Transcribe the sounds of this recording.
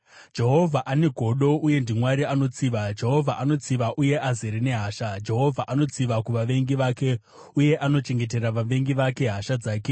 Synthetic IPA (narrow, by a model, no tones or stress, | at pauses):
d͡ʒe̞ɦo̞vʱaʔane̞ɡʱo̞ɗo̞uje̞ndimwaɾiano̞t͡siʋad͡ʒe̞ɦo̞vʱaʔano̞t͡siʋaʔuje̞ʔazeɾine̞ɦaːʃad͡ʒe̞ɦo̞vʱaʔanot͡siʋakuʋaʋe̞ŋɡiʋake̞ | uje̞ʔano̞t͡ʃe̞ŋɡe̞t̬e̞raʋaʋe̞ŋɡiʋake̞ɦaʃad͡zaːke